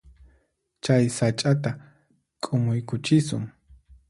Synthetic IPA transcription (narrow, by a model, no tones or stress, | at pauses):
t͡ʃajsat͡ʃʼat̪a | kʼʊmʊjkʊt͡ʃɪsʊŋ